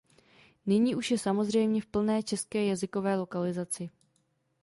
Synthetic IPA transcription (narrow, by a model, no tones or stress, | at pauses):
nɪɲiːʔuʃjɛsamo̞zr̝ɛjmɲɛfpl̩nɛːt͡ʃɛskɛːjazɪko̞vɛːlo̞kalɪzat͡sɪ